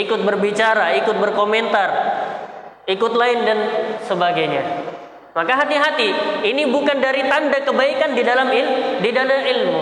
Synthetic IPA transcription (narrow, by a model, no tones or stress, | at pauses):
ikʊt̪̚bərbit͡ʃaɾaikʊt̪̚bərkoment̪ar | ikʊt̪laɪndansəbaɡajɲa | makaɦat̪iɦat̪iːnibukandaɾit̪andakəbaikandidalamildidalamilmu